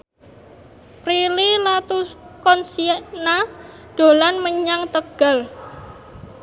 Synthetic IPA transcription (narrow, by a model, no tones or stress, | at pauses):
pɾililat̪uskɔnsiɛʔna | ɖ̥o̤lanməɲaŋt̪əɡ̥a̤l